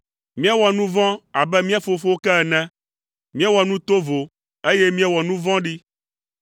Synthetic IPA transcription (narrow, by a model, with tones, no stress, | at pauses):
mĩ˦a˦wɔ˨nũ˦vɔ̃˦a˨bɛ˦mĩ˦a˦˨fo˨fo˦wo˦kɛ˦ɛ˨nɛ̃˦ | mĩ˦a˦wɔ˨nũ˦t̪o˦vo˨ | e˦je˦mĩ˦a˦wɔ˨nũ˦vɔ̃˦ɖi˦